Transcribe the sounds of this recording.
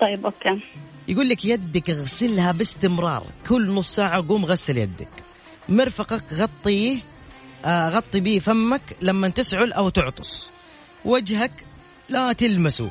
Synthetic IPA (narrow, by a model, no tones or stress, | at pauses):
t̪ˤɑjːɪbʔokːeː | jɡuːlːakjad̪ːakaɣsɪlhabɪst̪ɪmɾˤɑ̰ːɾˤkʊlːnʊsˤsaːʕaɡuːmɣasːɪlja̰d̪ːa̰k | mɪɾfɑqɑkɣɑt̪ˤːiː | ʔɣɑt̪ˤːibiːfamːaklamːant̪ɪsʕʊlʔawt̪ʊʕt̪ˤʊ̰sˤ | wad͡ʒhak | lat̪ɪlmasṵ